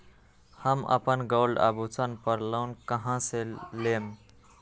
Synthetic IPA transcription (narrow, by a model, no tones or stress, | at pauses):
həmə̰pənɡolɖa̰but͡sənpəɾlaʊnkəɦãselem